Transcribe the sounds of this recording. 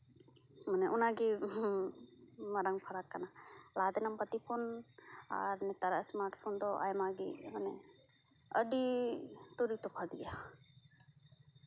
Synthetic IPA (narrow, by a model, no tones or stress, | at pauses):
mənɛʔunaɡi | maɾaŋpʰaɾakːanalad̪ɛnampət̪ipʰona̰ɾnɛt̪aɾaʔsmaɾʈpʰɔnd̪ɔʔa̰jmaɡḭmənɛ | ə̰ɖi | t̪uɾit̪ɔpʰad̪ɡɛja